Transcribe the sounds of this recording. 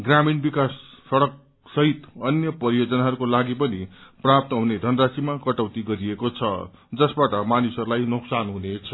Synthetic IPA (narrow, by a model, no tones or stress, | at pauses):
ɡraminbikasːʌɽʌk̚ | sʌɦit̪ʌnjʌpʌɾijod͡zʌnaɦʌɾukolaɡipʌniprap̚t̪ʌɦuned̪ʱʌnrasimakʌʈʌwt̪iɡʌɾiekot͡sʰʌ̰d͡zʌsbaʈʌmanisʌɾulajnuksanɦunet͡sʰʌ